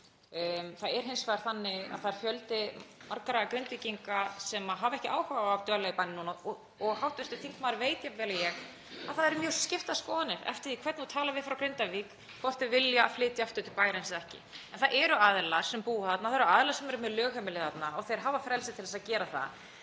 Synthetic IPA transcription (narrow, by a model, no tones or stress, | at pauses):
θaðɛɾ̥ɦɪnsvaɾ̥θanːɪɣa̰ðθaðɛɾ̥fjœlt̪ɪmaɾkaɾaɣakɾɪnt̪ɪciŋkasɛmaɦavɛhcɪʔaːwhaɣaːwvt̪œːlaipajnɪnːunɔ | ɔɣhawht̪vɛst̪ʏθiŋk̪maːɾveːjt̪javɛːlajɛɣ | aðθaðɛɾmjœɾ̥scɪft̪aðskɔːðanɪɾɛ̰ft̪ɪɾikʰvɛt̪nut̪ʰaːlavɪðfɾawkɾent̪aviːk | kʰɔr̥t̪ɪvɪljaa̰flɪːt̪jaaft̪ʏt̪ɪ̥paːjɾensðɛhcɪ̰ɛnθaʔɛɾʏaðlḁsɛmpuːʏθat̪naθaɾʏaðlasɛmɛɾʏmɛðlœːɣhɛmɪlɪθat̪naɔɣθejɾ̥ɦaːvafɾɛlsɪt̪ʰɪlɛsacɛːɾaθa̰ð